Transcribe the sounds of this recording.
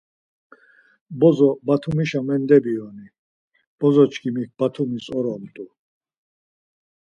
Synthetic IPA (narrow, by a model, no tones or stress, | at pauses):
bɔzɔbat̪ʰumiʃamɛnd̪ɛbiɔni | b̥ɔzɔt͡ʃʰkʰʼimik̚b̥at̪ʰumisɔɾɔmt̪ʼu